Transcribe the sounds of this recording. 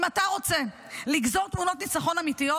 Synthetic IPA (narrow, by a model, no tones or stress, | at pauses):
mataʁo̞t͡se̞ | liɡzo̞ʁt̪muno̞t̪nit͡saχo̞namitijo